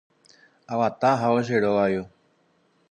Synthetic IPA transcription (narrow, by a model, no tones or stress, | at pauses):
awat̪aɦaoʒeɾoajo